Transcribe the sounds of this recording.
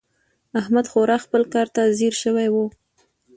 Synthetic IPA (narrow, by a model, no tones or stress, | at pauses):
ahmad̪xoɾɑxpəlkɑɾt̪aziɾʃəwajwu